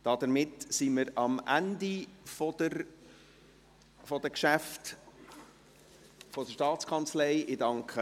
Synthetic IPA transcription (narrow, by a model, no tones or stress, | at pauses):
d̥ɑd̪əɾmɪtsiməɾɑmʔændifɔdəɾ | fɔd̥̪əkʃæft | fɔd̥əʃtɑːtt͡skʰɑnt͡slɛɪʔɪdɑŋkχə